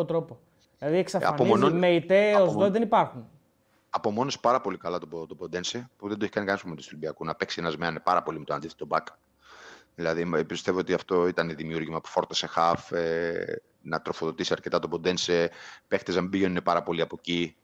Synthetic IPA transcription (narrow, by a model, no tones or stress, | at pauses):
ot̪ɾopo | ðlɐðieksɐɐ̰noonmeit̪eozðoðenipɐɾxun | ɐpo̞mo̞nospɐɾɐpo̞likɐlɐt̪oot̪obond̪e̞nsepuðend̪oeçikɐnikɐnespomet̪ist̪libiɐkunɐpe̞ksienɐzmeɐnnepɐɾɐpo̞limet̪oɐnd̪iθet̪o̞bɐk | ðilɐðipist̪e̞voot̪iɐft̪o̞it̪ɐneðimiuɾʝimɐpu̥fo̞ɾt̪ɐse̞xɐfe | nɐt̪ɾo̞fo̞ðo̞t̪isiɐɾce̞t̪ɐt̪obo̞d̪e̞nsepe̞xt̪eznɐmibiʝe̞nunepɐɾɐpo̞liɐpo̞ci